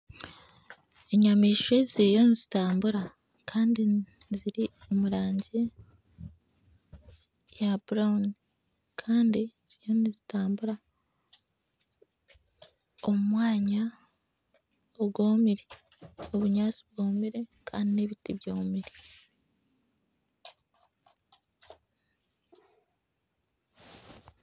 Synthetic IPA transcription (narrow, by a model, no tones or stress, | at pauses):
eɲamiːʃwe̞zijonizitaːmbuɾa | kʰaːndi | ziɾi | o̞muɾaːɲɟe | jabuɾaun | kʰaːndiz̥ijonizitaːmbuɾa | omumwaːɲa | oβɡo̞ːmiɾe | o̞βuɲaːt͡siβɡo̞ːmiɾe̞kʰa̰ːndine̞βitiβjoːmiɾe